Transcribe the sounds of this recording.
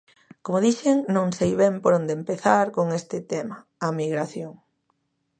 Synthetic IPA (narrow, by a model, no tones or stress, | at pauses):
komʊðiʃeŋnõŋsejβɛmpoɾond̪empeθaɾkoŋest̪ɪt̪ɛmɐ | ɐmiɣɾaθjoŋ